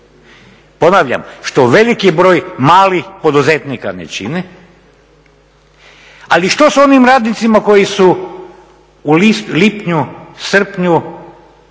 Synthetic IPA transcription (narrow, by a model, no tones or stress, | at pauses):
po̞naːʋʎa̰mʃt̪o̞ʋe̞likibɾo̞ːjmaːlixpo̞d̪uzet̪nikanḛt͡ɕḭnɛ | aliʃt̪oso̞nimɾaːd̪nit̪simako̞jisu | ulist̪lipɲusr̩pɲu